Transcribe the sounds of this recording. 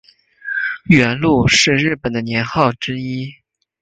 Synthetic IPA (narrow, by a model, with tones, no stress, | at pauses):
ɥɛ˧˥nlu˥˧ʂɻ̩˥˧ɻɻ̩˥˩pə˨˩nd̪ə˦njɛ˧˥nxɑ˥˩ʊʈ͡ʂɻ̩ə˥i˥